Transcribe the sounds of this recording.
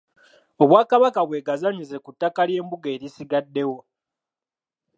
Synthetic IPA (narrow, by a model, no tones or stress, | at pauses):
o̞βwaːkaβakaβwe̞ːɡazaɲize̞kutːakalje̞ːmbuɡeːɾisiɡadːe̞wo̞